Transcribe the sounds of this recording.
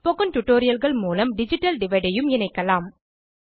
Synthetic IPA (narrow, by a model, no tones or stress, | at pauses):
pɔɣɐnʈʊʈːoːɾɪjɐlɣɐɭmuːlɐmɖɪd͡ʒɪʈːɐlɖɪʋɐɪɽɐjɯmɪnɐɪkːɐlaːm